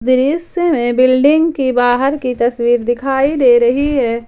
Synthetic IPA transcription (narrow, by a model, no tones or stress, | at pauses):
d̪ɪɾɪsemẽbɪlɖɪ̃ŋɡkibaːɦəɾkit̪ɐswiːɾd̪ɪkʰaːid̪eɾɐɦiɦɛː